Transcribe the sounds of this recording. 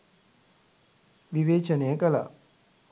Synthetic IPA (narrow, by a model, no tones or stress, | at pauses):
ʋiʋeːt͡ʃɐnejəkɐla̰